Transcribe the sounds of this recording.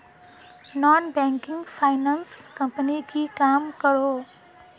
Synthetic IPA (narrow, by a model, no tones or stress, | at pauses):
nɔnbɛŋkiŋpʰajnanskʌmpənikikamkʌɾo